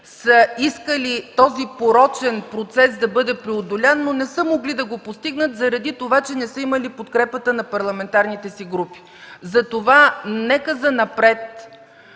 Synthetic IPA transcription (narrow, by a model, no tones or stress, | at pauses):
səiskəlit̪ɔzipoɾɔt͡ʃɛnpɾot̪sɛsd̪ɐbɤd̪ɛpɾɛod̪olʲanːonɛsəmoɡlid̪ɐɡopost̪iɡnət̪zɐɾɐd̪it̪ovat͡ʃɛnɛsəiməlipot̪kɾɛpət̪ənɐpɐɾlˠɐmɛnt̪aɾnit̪ɛsiɡɾupi̥ | zɐt̪ovanɛkəzɐnɐpɾɛt̪̚